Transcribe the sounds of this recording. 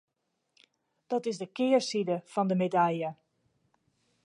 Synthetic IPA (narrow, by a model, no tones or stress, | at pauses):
d̥ɔtɪzdəkɪːəɹsidəfɔndəmedaljə